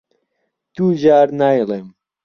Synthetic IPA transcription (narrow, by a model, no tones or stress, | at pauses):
t̪ud͡ʒaːɾnaːjilem